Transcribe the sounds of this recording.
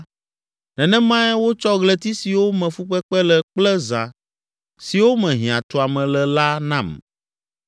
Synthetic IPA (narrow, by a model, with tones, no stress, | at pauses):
nɛ̃˨nɛ̃˦mã˦ɛ˦wo˦t͡ʃɔ˦ɣlɛ˦t̪i˦si˨wo˦mɛ̃˨fu˦ɸɛ˦k͡pɛ˦lɛ˨k͡plɛ˦za˨ | si˨wo˦mɛ̃˨ɦĩ˨ã˨t̪o˨a˨mɛ̃˨lɛ˨la˦nã˨m